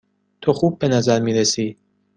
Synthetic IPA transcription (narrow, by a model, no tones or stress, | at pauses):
t̪ʰoxuːb̚ːenæzæɾmiːɾesiː